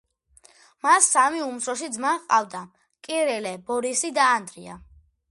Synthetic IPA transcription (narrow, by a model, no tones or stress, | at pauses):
masːamiumsɾɔʃ̬id̪zmaqʼa̰vd̪a | kʼiɾɛlɛbɔɾisid̪aːnd̪ɾia̰